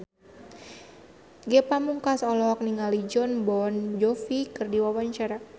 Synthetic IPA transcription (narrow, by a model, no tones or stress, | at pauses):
ɡɛpamuŋkasɔlɔk̚niŋalid͡ʒɔnbɔnd͡ʒɔfikɨrdiwawaɲt͡ʃaɾa